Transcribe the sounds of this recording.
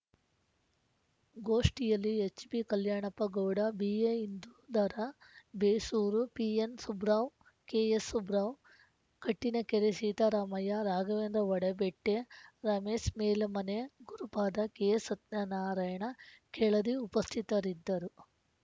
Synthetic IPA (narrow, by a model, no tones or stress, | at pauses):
ɡoːʂʈijɐlːiet͡ʃbikɐljaːɳɐpɐɡɐwɽɐbieind̪ud̪ɐɾɐbeːsuːɾupiensubɾaːw | keːesubɾaːw | kɐʈːinɐkeɾesiːt̪ɐɾaːmɐjaɾaːɡɐʋeːnd̪ɾɐʋɐɽebeʈːeɾaːmeːsmeːlɐmɐneɡuɾupaːd̪ɐkeesɐt̪nanaːɾɐːjɐɳɐkɛɭɐd̪iupɐst̪ʰit̪ɐɾid̪ːɐɾu